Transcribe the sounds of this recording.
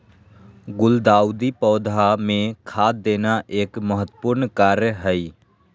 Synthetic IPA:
ɡʊld̪aːwd̪ipɔːd̪ʱamẽkʰaːd̪eːnaʔeːkməɦət̪ːpʊɾnkaːɾjəɦəi

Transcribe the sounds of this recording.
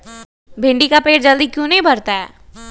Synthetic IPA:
bʱɪ̃ɳɖikapeːʈd͡ʒəld̪ikjũːnɐɦĩbʱɐɾt̪aɦɛ̰ː

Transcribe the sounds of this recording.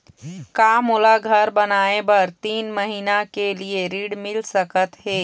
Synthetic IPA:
kamulaɡʱəɾbənaːebəɾt̪iːnməɦiːnakelieɾiːɽmɪlsəkət̪ɦeː

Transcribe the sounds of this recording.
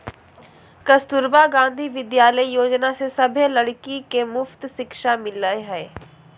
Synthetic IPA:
kɐst̪ʊɾbaːɡãːnd̪ʱiːʋɪd̪jaːləijoːd͡ʒnasesɐbʱẽlɐɽkikemʊft̪ʃɪkʃamɪləeɦɛː

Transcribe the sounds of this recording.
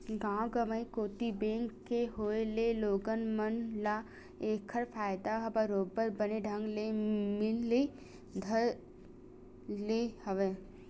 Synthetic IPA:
ɡãːɡəməikoːt̪ibẽːŋkːeɦoːeleloːɡənmənla | eːkʰəɾpʰaːɪd̪aɦɐbaɾoːbəɾbəneɖʱə̃ŋɡlemɪlːe | d̪ʱəɾ | lehɐʋeː

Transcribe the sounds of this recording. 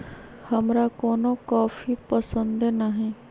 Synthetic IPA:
hɐmɾakoːnokaːfipəsə̃nd̪naɦɛː

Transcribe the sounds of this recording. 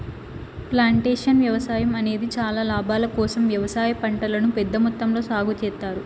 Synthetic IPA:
plaːɳʈeːʂɐnʋjɐʋɐsaːjɐmɐne̞ːd̪it͡ʃaːlaːlaːbʱaːlɐkɔːsɐmʋjɐʋɐsaːjɐpɐɳʈɐlɐnupɛd̪ːɐmut̪ːɐmlo̞ːsaːɡut͡ʃɛːt̪ːaːɾu

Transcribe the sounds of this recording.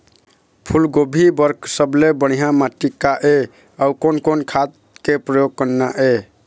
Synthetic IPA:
pʰulɡobʱibəɾkʰsəblebəɽ̤̃iɦãmaʈikaʔe | aukonkonkʰat̪ | kepɾəjoɡ̚kənːaʔe

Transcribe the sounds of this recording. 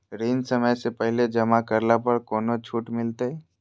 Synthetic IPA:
ɾiːnsəməjsepɛɦled͡ʒɐmakəɾlapəɾkoːnot͡ʃʰuːʈmɪlt̪e

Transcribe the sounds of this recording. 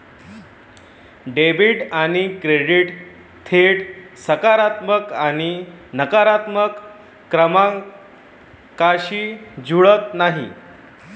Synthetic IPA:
ɖebiʈaɽ̃ikɾeɽiʈ | t̪ʰeɽsəkaɾat̪məkaɽ̃inəkaɾat̪məkː | ɾəmã | kaɕiːd͡zʱuɭət̪naɦḭ

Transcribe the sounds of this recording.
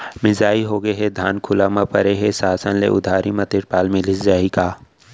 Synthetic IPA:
mɪzaːiɦoːɡeɦɛd̪ʱaːnkʰʊlaːmapɐɾeɦesaːsənlḛʔʊd̪ʱaːɾimɐt̪ɪɾpaːlmẽlɪsd͡ʒaːɦikaː

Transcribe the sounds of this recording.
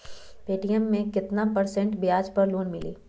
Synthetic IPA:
peːʈijəmːẽkɪt̪napɐɾsɛ̃ɳʈbɪjaːd͡ʒpɐɾloːnmɪlḭː

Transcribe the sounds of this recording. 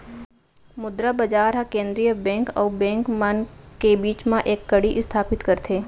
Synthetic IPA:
mʊd̪ɾabɐd͡ʒaːɾɦãkẽːnd̪ɾijəbɛ̃ːŋkɔːbɛ̃ːŋkmɐnkebiːt͡ʃmãʔeːkːɐɽiʔɪst̪ʰaːpɪt̪kɐɾt̪ʰeː

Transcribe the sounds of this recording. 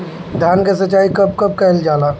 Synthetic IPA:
d̪ʱjaːnkesət͡ʃːaːikɐb̚kɐb̚kɛɦld͡ʒaːlaː

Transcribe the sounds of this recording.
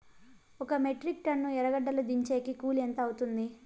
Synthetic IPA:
ɔkɐmeʈɾik̚ʈɐnːuɛɾɐɡɐɖːɐlud̪iɲt͡ʃeːkikuːlent̪ɐːwut̪und̪i

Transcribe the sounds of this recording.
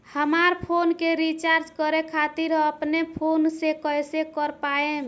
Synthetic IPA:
həmaɾpʰonkeɾit͡ʃaɾd͡ʒkəɾekʰat̪iɾəpnepʰonsekəjsekəɾpaem

